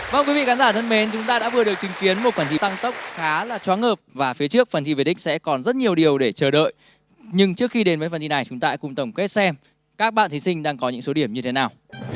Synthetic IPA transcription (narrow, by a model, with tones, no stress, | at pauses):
vaː˧˨˩ŋ͡mkwi˨˦vḭ˧˨ka˨˦nzaː˧˩t̪ʰə˧nme˨˦nt͡ɕʊ˨˦ŋ͡mt̪aː˧ɗa̰ː˧˥vɨ˨˩əɗɨ˨˩ək̚t͡ɕï˨˦ŋ̟ki˨˦ənmo˨˩t̚kwaː˧˩nt̪i˨˦t̪a˧ŋt̪ə˦˥k͡p̚xaː˨˦laː˨˩t͡ɕwaː˨˦ŋhəː˨˩p̚vaː˨˩fi˨˦ət͡ɕɨ˦˥ək̚fə˨˩nt̪ʰi˧ve˨˩ɗḭ̈˥ŋ̟sɛ̰˧˥kɔ˨˩nzə˦˥t̚ɲi˨˩əwɗi˨˩əwɗe˧˩t͡ɕəː˧˩ɗə̰ː˧˨j | ɲɨ˧ŋt͡ɕɨ˦˥əkxi˧ɗe˨˦nvəː˨˦jfə˨˩nt̪ʰi˧na˨˩jt͡ɕʊ˨˦ŋ͡mt̪aː˧kʊ˨˩ŋ͡mt̪ə˧˩wŋ͡mke˦˥t̚sɛ˧m | kaː˦˥k̚ɓa̰ː˧˨nt̪ʰi˨˦sï˧ŋ̟ɗaː˧ŋkɔ˨˦ɲɨ̰˧˥ŋso˨˦ɗi˧˩əmɲɨ˧t̪ʰe˨˦naː˨˩w